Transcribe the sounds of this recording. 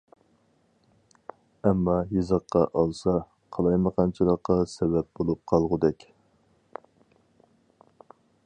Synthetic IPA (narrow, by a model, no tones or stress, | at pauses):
ɛmːɑjɨzəqːɑʔɑlˠsɑ | qʰɑlˠɑjməqʰɑnt͡ʃʰilˠəqːɑsɛbɛp̚bolˠup̚qʰɑlˠʁʊd̪ɛkʲ